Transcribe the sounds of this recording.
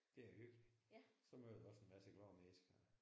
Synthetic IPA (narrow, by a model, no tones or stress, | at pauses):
d̥e̝æɐhøɡ̥isɒ̽møːð̩ˠɒ̽senmæsəɡ̥lɒːmeːsɡ̥ɐ